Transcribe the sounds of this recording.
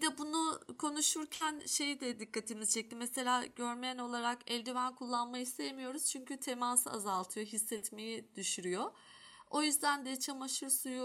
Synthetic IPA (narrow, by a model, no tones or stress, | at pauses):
bd̪ɛbunukʰo̞nuʃuɾcʰænʃe̞jid̪ɛd̪ikʰːat̪ʰimizt͡ʃʰɛc̚lʲimɛse̞lʲaːɟøɾmejæno̞lˠaɾakɛlʲd̪ivænkʰulˠːanmajɯhisejemijo̞ɾuz̥t͡ʃʰyɲcʰyt̪ʰemaːsɯa̰zalˠt̪ʰɯjo̞ɦisːɛt̪me̞jid̪̥yʃyɾyjo | o̞jyzd̪ænd̪ɛt͡ʃʰamaʃɯɾsuju